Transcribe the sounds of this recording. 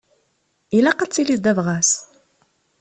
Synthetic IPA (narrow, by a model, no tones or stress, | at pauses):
ilæqat͡sːilisd̪ævʁæs